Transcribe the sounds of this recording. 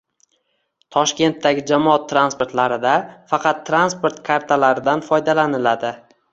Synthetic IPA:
t̪ʰɒʃkʲe̞nt̪ːaɡʲɪd͡ʒamɒat̪ʰːɾanspo̞ɾt̪laɾɪd̪afɑqʰɑt̪ʰːɾanspo̞ɾt̪kʰaɾt̪ʰalaɾɪd̪anfɒjd̪alanɪlad̪ɪ

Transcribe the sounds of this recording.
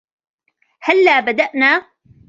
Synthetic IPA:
halːaːbad̪aʔnaː

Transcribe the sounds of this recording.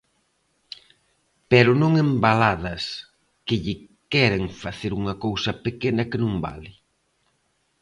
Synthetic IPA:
pɛɾʊnõŋembalaðɐs | kɪʎɪ | kɛɾeŋfaθeɾuŋɐkowsɐpekenɐkɪnũŋba̰lɪ

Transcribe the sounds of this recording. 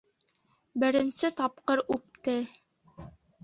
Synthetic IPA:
bɘ̆ɾɘ̆nsɘt̪ɑpqɤɾʉp̚t̪ɘ

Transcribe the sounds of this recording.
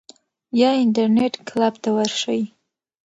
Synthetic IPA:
jɑɪɳʈaɾneʈklabt̪awəɾʂəj

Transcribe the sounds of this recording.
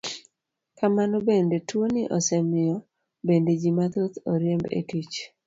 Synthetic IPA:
kamanobendetwonɪʔɔsɛmɪjɔ | bended͡ʒimat̪ot̪oɾjembḛkit͡ʃ

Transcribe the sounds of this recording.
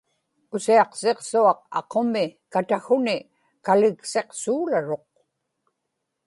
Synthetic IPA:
ʊsiɑqse̞qsuɑq̚ɑ̰qo̞mɪkat̪axʊnɪ | kalɪkse̞qsuːlaɻo̞q̚

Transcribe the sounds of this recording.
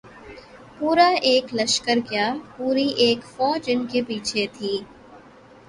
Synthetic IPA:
puːɾaʔeːklɐʃkəɾkjaːpuːɾiʔeːkfɔːd͡ʒɪnkepiːt͡ʃʰet̪ʰiː

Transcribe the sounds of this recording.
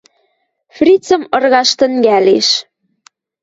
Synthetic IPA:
frʲit͡sə̆mɤ̆rɣɑʃt̪ə̆ŋɡæleʃ

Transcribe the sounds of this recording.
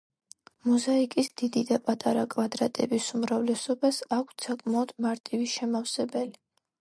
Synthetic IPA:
muzaikʼisd̪̥id̪id̪apʼat̪ʼaɾakʼvad̪ɾat̪ʼɛbisumɾavlɛsɔbasakʷʰt̪sakʼmaɔd̪̥maɾt̪ʼiviʃɛmafsɛbɛli

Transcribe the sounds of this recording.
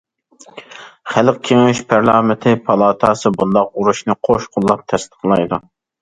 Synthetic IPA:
χælq̚kʲʰeŋyʃpʰæɾlɑːmɪt̪ʰɪpʰɑlˠɑːt̪ʰɑːsɨbunlˠd̪ɑq̚uɾuʃnɨqʰoʃqʰʊlˠːɑp̚t̪ʰɛst̪ə̥qlˠɑjd̪u

